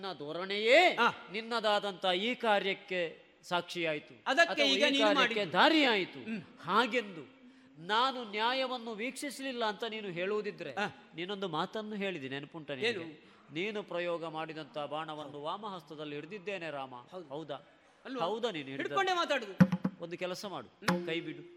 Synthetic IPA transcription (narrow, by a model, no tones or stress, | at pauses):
nːɐd̪ɔːɾɐɳejeːninːɐd̪aːd̪ɐnt̪ɐiːkaːɾjɐkːe̞ | saːkʂijaːjit̪uɐd̪ɐkɐt̪ːʰɐiːɐiɡɐkaːɾɐɽikːed̪ʱaːɾijaːjit̪uhaːɡe̞nd̪u | naːnunjaːjɐʋɐnːuʋiːkʂislilːɐːnt̪ɐniːnuɦe̞ːɭuʋud̪id̪ɾe̞ | niːno̞nd̪umaːt̪ɐnːuɦe̞ːɭid̪iːnienɐpuɳʈɐniɡe | niːnupɾɐjɔːɡɐmaːɽid̪ɐnt̪ɐbʱaːɳɐʋɐnːuʋaːmɐɦɐst̪ɐd̪ɐlːiiɾd̪id̪ːe̞ːneɾaːmɐ̰dhɐwd̪ɐ | ɐlɐwd̪ɐniːnuiɾiʈ̪koɳɖemaːt̪aːɽud̪uond̪ukɛlɐsɐmaːɽukɐjbiɽu